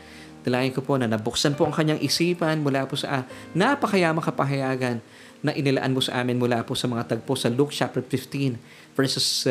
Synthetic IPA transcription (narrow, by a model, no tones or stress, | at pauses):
t̪ɐlaːjɪnkopo̞nɐnɐbʊksɐnpoʔɐŋkɐɲːaŋʔɪsiːpɐnmʊlaːposɐʔa | nɐpɐkɐjaʔmɐkɐpɐɦɐjaːɡɐnː | ɐʔɪnɪlɐʔa̰nmosɐ̰ʔaːmɪnmʊlaːposɐmɐŋat̪ɐɡ̚posɐluk̚t͡ʃap̚t̪ɛfɪft̪in | v̥ɛɹsʊs